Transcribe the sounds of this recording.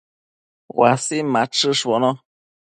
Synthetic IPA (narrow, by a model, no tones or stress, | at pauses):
wasimaʈ͡ʂɨʂwono